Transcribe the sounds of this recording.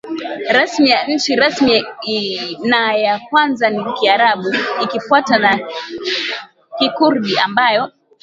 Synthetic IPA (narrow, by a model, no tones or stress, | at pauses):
ɾasmijaɲ̩t͡ʃiɾasmi | najakwanzanikiaɾaɓuikifuatana | kikuɾɗiambajɔ